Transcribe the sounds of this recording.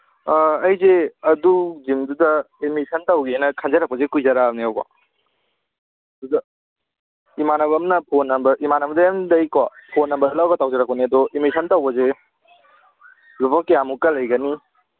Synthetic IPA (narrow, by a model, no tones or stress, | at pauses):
ɐjzeɐduzimdudɐ | imisʰɐntɐwɡiajnɐkʰanzɐɾɐk̚pɐzekujzɐɾamniawkwa̰ | dudɐ | imanɐbɐmnɐpʰonɐmbɐʔimanɐmdɐjamdɐjkwapʰonːɐmbɐdɐlawɡɐtawzɐɾɐk̚pɐniɐdɔimisʰɐntɐwbɐze | lupʰakːejamukɐlɐjɡɐni